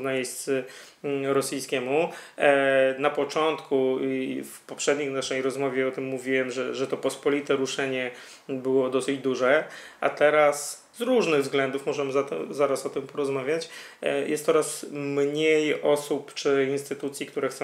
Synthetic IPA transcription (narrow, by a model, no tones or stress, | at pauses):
najeɕtt̪sɘ | ɾɔsijskʲɛmu | napɔt͡ʂɔnt̪kufpɔpʂɛd̪ɲixnaʂɛjɾɔzmɔvʲɛɔt̪ɘmːuvʲiwɛmʐɛʐɛt̪ɔpɔspɔlʲit̪ɛɾuʂɛɲɛ | bɘwɔd̪ɔsɘd͡ʑd̪uʐɛʔa̰t̪ɛɾas | zɾuʐnɘɣvzɡlɛnd̪ufmɔʐɛmɘzat̪ɛ̰zaɾasɔt̪ɨmpɔɾɔzmavʲjat͡ɕjɛ̰st̪ɔɾasmɲejɔsupt͡ʂɘinst̪ɘt̪ut̪sʲjikt̪uɾɛxt̪sɛ̃